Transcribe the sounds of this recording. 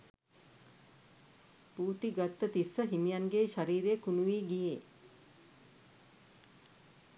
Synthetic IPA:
puːt̪iɡat̪ːət̪isːəɦimijanɡeːʃaɾiːɾeːkunuʋiːɡijeː

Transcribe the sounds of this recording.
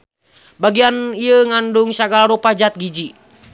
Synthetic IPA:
baɡianiəŋanduŋsaɡalaɾupad͡ʒat̪̚ɡid͡ʒi

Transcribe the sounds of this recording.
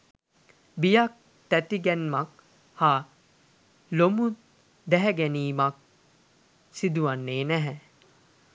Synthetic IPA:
bijak̚ | t̪æt̪iɡɛnmak | haː | lomu | d̪æɦɛɡæniːmak̚ | sid̪uʋanːeːnæɦɛ

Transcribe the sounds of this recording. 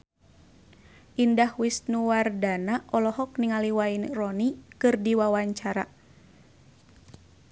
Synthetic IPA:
ʔindahwisnuwardanaʔɔlɔhɔk̚niŋaliwainrɔnikɨrdiwawaɲt͡ʃaɾa

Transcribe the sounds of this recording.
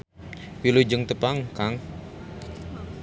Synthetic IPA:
wilud͡ʒəŋt̪əpaŋkaŋ

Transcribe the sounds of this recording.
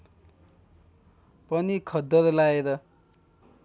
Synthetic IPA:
pʌnikʰʌd̪ʌɾlaeɾʌ

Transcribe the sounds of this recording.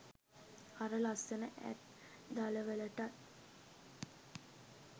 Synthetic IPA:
aɾəlasenəʔæ̰t̪̚ | d̪aləʋələʈat̪̚

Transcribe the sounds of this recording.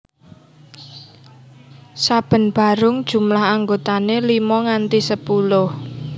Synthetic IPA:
sab̥ə̤nb̥a̤ɾʊŋd̥ʒ̥ṳmlaɦaŋɡot̪anelimɔŋant̪isəpulʊh

